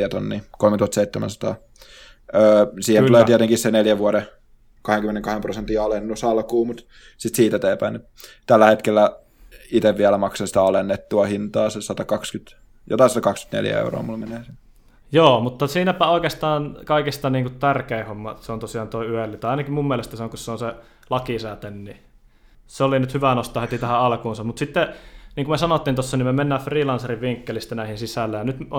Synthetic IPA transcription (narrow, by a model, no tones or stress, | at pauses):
æt̪onːiːkolmet̪uhɑst̪seit̪ːemæ̰nsɑ̥t̪ɑ̰ː | əːsiːhnuleːiet̪eŋkisseneljæʋuɑɾe | kɑheŋkymːeneŋkɑhemprosent̪ːiɑlenːusɑlkuːmut̪ | sit̪siːt̪æt̪eːpæini | t̪ælːæhet̪kelːæ | it̪eʋʋiælæmɑksɑnsi̥t̪æɑlenːet̪ːuɑhint̪ɑːsesɑt̪ɑkɑkskyt̪ | jo̰t̪ɑisɑt̪ɑkɑksky̥t̪nḛljæ̰ḛuro̰ːmulmeneːsin | joːmut̪ːɑsiːnæpæoˑikeːst̪ɑːnkɑikist̪ɑniːŋkut̪t̪ærkeˑihomːɑseont̪osiɑːnt̪oˑiyelːit̪ɑɑˑinɑkimmumːiælest̪æseoŋkusseonse | lɑkisæt̪enni | seolinyt̪hyʋænost̪ˑɑːhet̪it̪æhæʔɑlkuːnsɑmut̪sit̪ːeniːŋkumesɑnot̪ːinosːɑnimemenːæːfriːlɑnseriʋʋiŋkːelist̪ænæˑihinsisælːæjɑnyt̪